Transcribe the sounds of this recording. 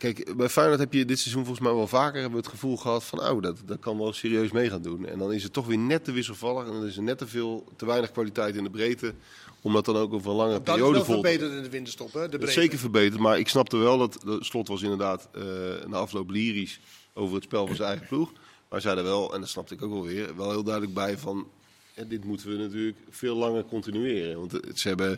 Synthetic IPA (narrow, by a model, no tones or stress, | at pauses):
kɛjkbɛjfɛjnətɦɛpjədɪtsɛzunvɔlˠɣəsmɛjʋɛlˠvaːkərɦɛbəʋəətχəvulˠɣəɦɑtfɑnʔo̰wdtdɑt̚kɑnʋɛlˠseːriøɥsmejχaːndunɛ̰ndɔnɪsətːɔxʋɪːnɛtːəʋɪs̬əlˠvɑlˠəxɛndɔnɪs̬ənɛtəvɪːlˠtəʋɛjnəxkʋalitɛjtɪndəbrejtə | ɔmdɑt̚dɑnowkowvərə̃nlɑŋərəpiːriowdəvɔlˠetətɪndəʋɪntəstɔpdəsejkərvəɹbejtətmaːɹɪksnɑp̚təʋɛlˠdɑtslɔtʋɑs̬ɪndəɹdaːtənaɑflowpliːris | owvərɦətspɛlˠvɑnzənɛjɣəpluxma̰sɛjdəʋɛlˠɛ̰ndɑtsnɑp̚təɪkowkʋɛlˠʋɪːrʋɛlˠɦɪːlˠdœɥdələɡ̚bɛjvɑn | ɦɛdɪtmutəʋənatyːləkfɪːlˠːɑŋərkɔntinyɪːrənʋɑntsəɛbə